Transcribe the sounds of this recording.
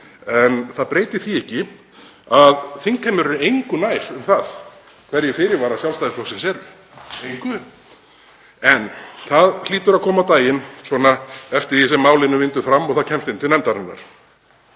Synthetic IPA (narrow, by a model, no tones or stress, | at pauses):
ɛnθaðpɾeːjt̪ɪθiɛhcːɪ | aðθiŋkʰːajmːʏɾɾejŋkʏnaːjɾ̥ʏmθað | kʰvɛɾjɛfɪːɾɪɾvaːɾasjalst̪ajðɪslɔsɛmsɛɾʏ | kʏ | ɛnθaðl̥iːt̪ʏɾaðkʰɔːmawt̪aːjɪnsɔːnaɛft̪ɪɾ̥θisɛmːaːwlɪnːʏvɪnt̪ʏɾfɾamːɔɣθaðcʰɛmst̪ɪnt̪ɪnɛmt̪aɾanːa̰ɾ̥